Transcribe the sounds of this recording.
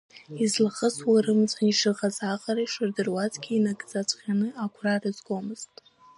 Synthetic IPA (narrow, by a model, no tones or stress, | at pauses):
izlɨχəswaɾɨmt͡sʰʷʼaniʂɨʁazaqʼaɾaiʂɨrdɨrwat͡sʼɡʲiinaɡʼd͡zat͡sʷʰʼχʲanɨakʷʰrarɨzɡʷomɨz̥tʼ